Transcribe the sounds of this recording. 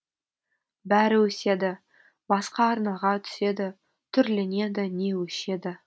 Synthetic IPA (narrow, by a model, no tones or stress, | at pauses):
bæɾɪwɵse̞d̪ɪ | bɑsqɑːɾnɑʁɑt̪ʰʏ̥se̞d̪ɪ | t̪ʰʏɾlɪne̞d̪ɪne̞wɵʃe̞d̪ɪ